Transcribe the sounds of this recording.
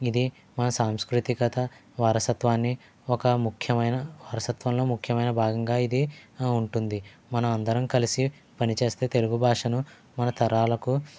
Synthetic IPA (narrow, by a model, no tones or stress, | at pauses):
id̪i | mɐnɐsaːmskɾut̪ikɐt̪ɐ | ʋaːɾɐsɐt̪ʋaːnːi | ɔkɐmukʰjɐmɐjnɐʋaːɾɐsɐt̪ʋɐmlo̞ːmukʰːjɐmɐjnɐbʱaːɡɐŋɡaːid̪iuɳʈund̪i | mɐnɐmɐnd̪ɐɾɐmkɐlisi | pɐnit͡ʃe̞ːst̪e̞ːt̪e̞luɡubʱaːʂɐnu | mɐnɐt̪ɐɾaːlɐku